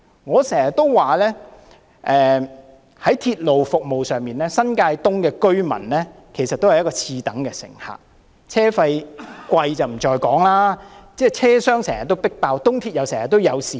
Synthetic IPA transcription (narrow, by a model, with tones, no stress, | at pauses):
ŋɔː˨˧sɛː˨˩ŋjɐ˨t̪̚ːo˥wwaː˨˩lɛː˥ | ʔɛː˨ | hɐ˨˥jt̪ʰiː˧t̚lo˨wfʊ˨k̚mo˨wsœː˨ŋmiː˨˩nlɛː˥sɐ˥nkaː˧jt̪ʊ˥ŋkɛː˧kɵ˥ɥmɐ̰˨˩nlɛː˥ | kʰe˨˩jsɐ˨t̪o˥whɐ˨jɐ˥kːɔː˧t͡sʰiː˧t̪ɐ˨˥ŋkɛː˧sɪ̰˨˩ŋha̰ː˨k̚ | t͡sʰɛː˥fɐ˧jkʷɐ˧jt͡sɐ˨wm̩˨˩t͡ʃɔː˧jkɔː˨˥ŋlaː˥t͡sɛː˥˩t͡sʰɛː˥sœː˥ŋsɛː˨˩ŋjɐ˨t̪̚ːo˥wpɪ˥k̚paː˧wt̪ʊ˥ŋt̪ʰiː˧t̚jɐ˨wsɛː˨˩jɐ˨˩t̪ːo˥wjɐ˨˧wsiː˨